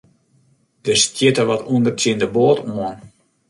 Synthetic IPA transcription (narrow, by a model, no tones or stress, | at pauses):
d̥əstjɪtəʋɔtuəndərtɪndəboːtuɔn